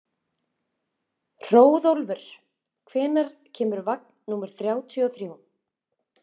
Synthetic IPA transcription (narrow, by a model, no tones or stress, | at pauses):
r̥oːwðowlvɛɾ̥ | kʰvɛːnaɾ̥ | cʰɛːmʏɾvak̚nnuːmɛɾ̥θɾjaːwt̪ʰiɔθɾjow